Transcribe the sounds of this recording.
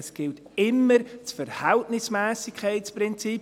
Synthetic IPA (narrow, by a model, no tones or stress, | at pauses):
sɡ̥ɪlt | ɪmːəɾt͡sfəɾhɛltnɪsmɛːsɪkʰɛɪt͡spɾɪnt͡sip